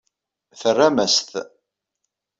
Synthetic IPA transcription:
θərːamæst̪

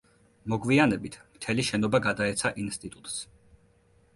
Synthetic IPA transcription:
mɔɡvianɛbit̪ʰmt̪ʰɛliʃɛnɔbaɡad̪aɛt̪sʰaʔinst̪ʼit̪ʼut̪ʼs

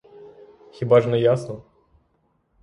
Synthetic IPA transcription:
xʲibaʐnɛjasnə

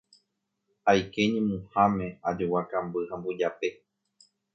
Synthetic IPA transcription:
hajke̞ɲẽmũhãmẽ̞ad͡ʒowakambɨhãmbud͡ʒape̞

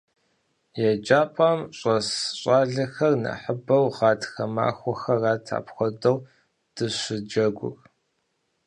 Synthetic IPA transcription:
jɛd͡ʒaːpʼamɕʼɐsɕʼaːɮɐxɐrnɐ̰ħəbɐwʁɑːtxɐma̰ːxʷɔxɐraːtʰa̰ːpxʷɔdɐw | d̥ɨɕɪd͡ʒɐɡʷʊ̰r

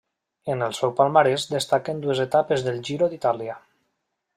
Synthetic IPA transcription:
enəlˠsɛwpalˠmaɾezd̪est̪akend̪uezet̪apezðəlʒiɾod̪it̪alia

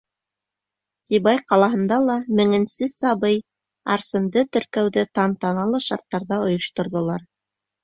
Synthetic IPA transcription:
siβɑjqɑlˠɑɦɤ̆nd̪ɑlˠɑmɘ̆ŋɘ̆nsɘsɑβɤj | ɑ̰ɾsɤ̆nd̪ɤt̪ɵ̆ɾkæwðɘt̪ɑnt̪ɑnɑlˠɤʃɑɾt̪ːɑɾðɑŏjŏʃt̪ŏɾðŏlˠɑɾ

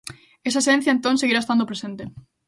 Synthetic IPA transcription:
es̬aesẽn̟θjɐent̪õŋseɣiɾaest̪and̪opɾesent̪e

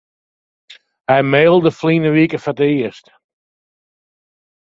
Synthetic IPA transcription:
ajmeːlˠdəfliːnəʋikəfatəiəst

